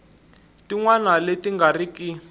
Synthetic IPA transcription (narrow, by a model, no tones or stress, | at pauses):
tiŋwanaletiŋɡariki